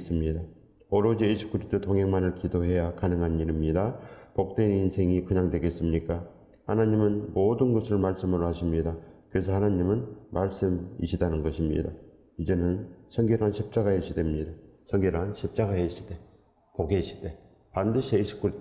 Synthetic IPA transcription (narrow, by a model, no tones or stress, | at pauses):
s͈ɯmɲida | ʌɾod͡ʑiiɕʰi̥k͈uɾit͈ʰotoŋɦeŋmanɯɭkidoɦe̞jakanɯŋɦaniɾimɲidapok̚t͈eninsʰe̞ŋikɯɲaŋdwe̞ɡe̞s͈ɯmɲik͈a | hanaɲimɯnmodɯnɡʌsʰɯɭmaɭs͈ɯmɯɾohaɕʰimɲidakɯɾe̞s̬ʰʌhanaɲimɯnmʔaɭs͈ɯmḭɕʰidanɯnɡʌɕʰimɲḭda̰ | id͡ʑe̞nɯnsʰʌŋɡeɾanɕʰip̚t͡ɕ͈aɡaheɕʰidemɲidasʰʌŋɡeɾanɕʰip̚t͡ɕ͈aɡaheɕʰi̥d̥e̞ | poɡeɕʰi̥d̥e̞ | pandɯɕʰiiɕʰi̥p̚k͈uɾit